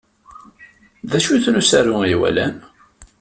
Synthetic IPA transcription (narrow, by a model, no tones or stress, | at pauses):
ðæʃuθnusæɾuiwæ̰læ̰n